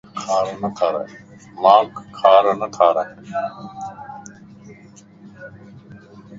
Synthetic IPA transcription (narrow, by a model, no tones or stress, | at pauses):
kʰaːɾnət̪ʰaːɾa̰ | mãːkʰːaːɾnət̪ʰaːɾa